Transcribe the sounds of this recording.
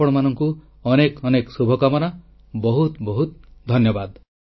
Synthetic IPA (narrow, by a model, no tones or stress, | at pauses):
ɔɽ̃ɔmanɔŋku | ɔnekɔneksubʱɔkamɔna | bɔɦut̪bɔɦut̪d̪ʱɔnjɔbad̪